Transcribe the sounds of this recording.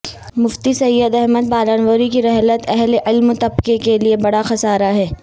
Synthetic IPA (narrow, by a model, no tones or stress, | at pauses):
mʊft̪isɐjːəd̪ɛɦməd̪̚paːlaːnwəːɾikiɾɛɦlət̪ɛɦleʔɪlmt̪ɐbkekeliebɐɽaxɐsaːɾaɦɛː